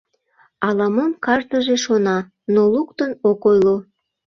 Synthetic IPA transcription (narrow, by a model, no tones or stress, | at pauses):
ɑlɑmomkɑʒt̪əʒeʃonɑ | nolukt̪ənokojlo